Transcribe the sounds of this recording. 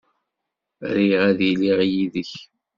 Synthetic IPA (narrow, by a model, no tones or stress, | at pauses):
ɾiʁæðiliʁjiðəç